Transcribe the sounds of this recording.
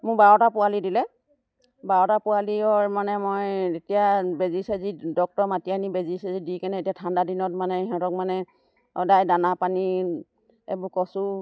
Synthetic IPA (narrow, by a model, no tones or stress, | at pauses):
mʊɹbaɹɔtapʊalidilɛ | baɹɔtapʊaliɔɹmanɛmojetijabezisɛzidɔk̚tɔɹmatianibezisɛzidikɛnɛetijatʰandadinɔtmanɛɦɔ̃tɔk̚manɛ | ɔ̰dajdanapani | ḛbʊkɔsʊ